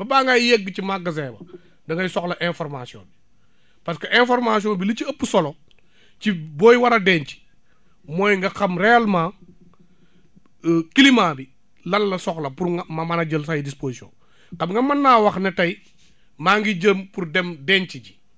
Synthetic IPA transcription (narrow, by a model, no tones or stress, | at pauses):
bɐbaːŋɡajjeɡːəcimaɡɐzɛːbɐ | dɐŋɡɐsɔklɐʔɛnfɔɾmasiɔ̰ːn | pɐskɐʔɛnfɔɾmasiɔːnbilit͡ʃiɐpːsɔlo | cibɔːjwɐɾɐdɛːnt͡ʃi̥ | mɔːjŋɡɐxɐmɾɛːlmaː | kilimaːbi | lɐllɐsɔklɐpuɾmɐmanɐɟəlsajidisposisio̰ːn | kɐbŋɡɐmɐnːaːwɐxnɛtɐj | maːŋɡiɟəmpuɾdɛmdɛːnt͡ʃiɟi̥